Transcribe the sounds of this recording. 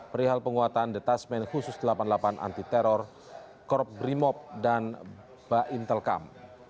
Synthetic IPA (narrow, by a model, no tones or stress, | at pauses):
pəɾiɦalpəŋuat̪andet̪asmɛnhusʊsdəlapanlapanʔa̰nt̪it̪ɛɾɔr | kɔrp̚bɾimɔp̚dan | b̥aʔint̪əlka̰m